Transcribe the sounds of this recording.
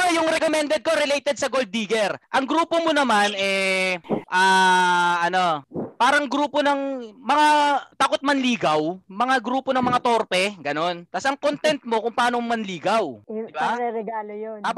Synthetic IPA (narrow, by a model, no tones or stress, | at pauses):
jʊŋɾɛkomɛnd̪ɛd̪̚ko̞ɾɛlejt̪ɛd̪̚sɐɡold̪̚iːɡɛɾʔɐŋɡɾuːpomonɐmanʔɛ | ʔaːʔɐno̞paːɾɐŋɡɾuːponɐŋmɐŋat̪akot̪̚mɐnliːɡɐwmɐŋaɡɾuːponɐŋmɐŋat̪o̞ɾpɛɡɐno̞nt̪asɐŋkont̪ɛnt̪̚mo̞kʊŋpɐaːnoŋmɐnliːɡɐw̪ɪbaɛɾɛɡaːlojo